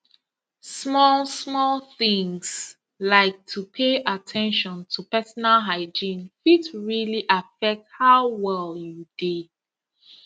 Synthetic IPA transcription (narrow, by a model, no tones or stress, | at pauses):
smɔlˠsmɔlˠθĩŋs | laɪk̚tʰupʰeʔatʰɛ̃nʃɔ̃ntʰupɛsɔnalˠɦaɪd͡ʒĩnfitɹiliʔafɛk̚t̚haʊwɛlˠjude